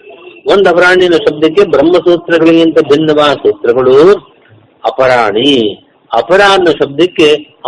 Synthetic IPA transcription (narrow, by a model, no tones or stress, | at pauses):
ond̪ɐpɐɾaːɳinɐʃɐb̚d̪ɐkːebɾɐmːɐsuːt̪ɾɐɡɐɭijɐnt̪ɐbʱinːɐʋaːʃeːt̪ɾɐɡɐɭu | ɐpɐɾaːɳi | ɐpɐɾaːɳnɐʃɐb̚d̪ɐkːe